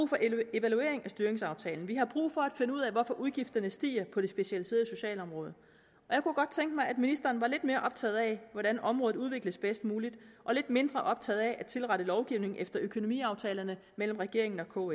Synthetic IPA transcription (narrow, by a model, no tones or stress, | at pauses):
ṵfɒ̽e̝ʋælue̝ɐe̝ŋæsd̥yɐʁeŋsɑ̈ʊt͡sʰɛ̰ːln̩ʋiɦɑ̈b̥ʁṵːfɒ̽æd̥fe̝nəuðˠɛʋɒfɒ̽ʔuðˠɡ̥ifd̥ɐnəsd̥ḭːɐpʰɒ̽d̥e̝sb̥e̝ɕælise̝̰ːɐð̩ˠso̝ɕɛ̰ːlɒ̽mʁɔ̽ːð̞ˠ | ʔɒ̽jɑ̈ɪkuɡ̥ɒ̽d̥̚t͡sʰeŋɡ̥əmɑ̈ɪæd̥minisd̥ɐːnʋɑ̈le̝d̥̚me̝ːɐʔɒ̽b̥̚t͡sʰɛ̰ːð̞̩ˠæʋɒɾænɒ̽mʁɔ̽ːð̩ˠuð̞ˠʋe̝ɡ̥ləsb̥esd̥muːlid̥ʔɒ̽le̝d̥me̝nd̥ʁɐʔɒ̽b̥̚t͡sʰɛ̰ːð̩ˠæʔæ̥t͡sʰe̝lʁɑ̈ɾəlɒʊɡ̥iʊ̰ne̝ŋ̩ʔefd̥ɐʔøkʰo̝no̝mḭːɑ̈ʊt͡sʰɛːlɐnə | mel̰m̩ʁɛɡ̥e̝ɐ̰e̝ŋn̩ɒ̽kʰɔ̰